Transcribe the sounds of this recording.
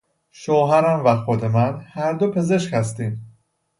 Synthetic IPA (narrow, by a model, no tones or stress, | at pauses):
ʃoːɦæɾæmvæxo̞d̪e̞mænhæɾd̪o̞pʰe̞ze̞ʃkhæs̬t̪iːm